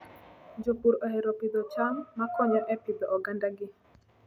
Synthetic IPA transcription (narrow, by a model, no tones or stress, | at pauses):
d͡ʒopuɾɔheɾɔpɪd̪ɔt͡ʃamːakɔɲɔʔɛpɪd̪ɔʔːɡandaɡɪ